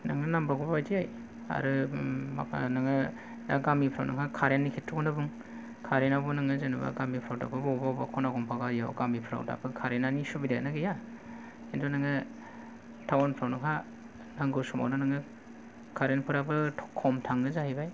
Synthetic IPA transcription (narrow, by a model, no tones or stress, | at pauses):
naŋnɯnambaɡubajdiaj | a̰ɾɯma̰knaŋɯ | daɡamipʰɾa̰wnɯŋakʰaɾenːikʰetʰːuknɯbɯŋ | kʰaɾenabunɯŋɯzanɯba̰ɡamipʰɾawda̰bɯbɔbawbakʰɔnaɡɔmpʰaɡajawɡamipʰɾa̰wda̰bɯkʰaɾenanisubidanaɡija | kentʰunaŋɯ | tʰawanpʰɾawnɯŋɦa | naŋɡɯsuma̰wnanɯŋɯ | kʰaɾenpʰɯɾabɯtʰɔ̥kʰːɔmtʰaŋnɯzahijbaj